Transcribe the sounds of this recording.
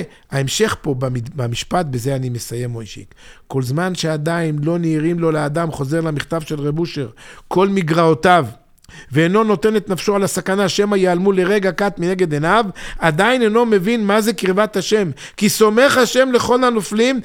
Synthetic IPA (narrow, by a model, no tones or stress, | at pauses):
aemʃe̞χpo̞baibamiʃpat̪̚bezeanimesaje̞mojʃḭkkːo̞lzmanʃead̪ainlo̞niːʁimlo̞lead̪amχo̞ze̞ʁlamiχt̪avʃe̞lʁebuʃeʁkʰo̞lmiɡʁaot̪av | veːno̞no̞t̪e̞ne̞t̪nafʃoalasakanaʃe̞majealmule̞ʁe̞ɡakat̪mine̞ɡe̞d̪enavad̪aineno̞me̞vinmaze̞kʁivat̪haʃe̞m | kiso̞me̞χaʃe̞mle̞χo̞lanoflim